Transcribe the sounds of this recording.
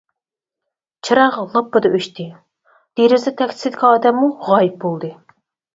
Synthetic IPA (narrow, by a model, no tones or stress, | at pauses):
t͡ʃʰɑɾɑʁɑlˠopːɨd̪ɑʔøʃt̪ʰɪ | d̪̥eɾɪzɛt̪ʰɛkʲt̪ʰɪsɪd̪ɪkʰʲɑɑːd̪ɛmːuʁɑːjip̚bolˠd̪ɨ